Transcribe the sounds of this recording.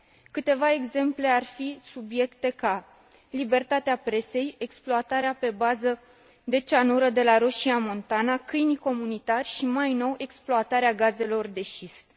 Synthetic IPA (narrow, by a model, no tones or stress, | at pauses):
kɨt̪e̞vae̞ɡze̞mple̞arfisubje̞kt̪e̞ka | libe̞rt̪at̪eapɾe̞se̞je̞ksploat̪aɾeape̞bazə | d̪e̞t͡ʃanuɾəd̪e̞laɾo̞ʃiamo̞nt̪anakɨjniko̞munit̪arʲʃimajno̞we̞ksploat̪aɾeaɡaze̞lo̞rd̪e̞ʃist̪